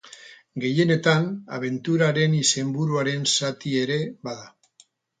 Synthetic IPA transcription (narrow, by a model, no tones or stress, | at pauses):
ɡe̞je̞ne̞t̪ana̰β̞e̞nt̪uɾaɾe̞nise̞mbuɾuaɾe̞nsat̪ie̞ɾe̞baða